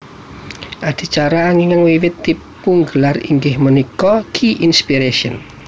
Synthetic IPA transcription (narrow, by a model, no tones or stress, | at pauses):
ʔad̪̥i̤t͡ʃaɾaːŋiŋəŋwiwɪt̪ːipuŋɡəlarḭŋɡɪhmənikɔkʰiʔinspiɾeʃiə̰n